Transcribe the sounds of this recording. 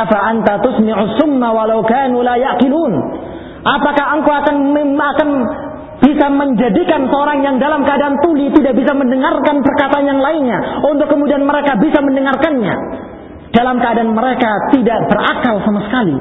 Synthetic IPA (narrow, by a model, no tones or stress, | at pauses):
faʔant̪at̪ʊsmɪʕusːʊmːawalawkaːnuːlajaʔqɪluːn | ʔapakaɦəŋkaakanakan | b̥isaməɲd͡ʒadikansəoɾaŋjaŋdalamkəadaant̪ulit̪idaʔbisaməndəŋarkanpərkat̪aːnjaŋlaɪnɲaʊnt̪ʊkːəmudianməɾekabisaməndəŋarkanɲa̰ | d̥alamkəadaːnməɾekat̪idaʔbərʔakalsamasə̥kali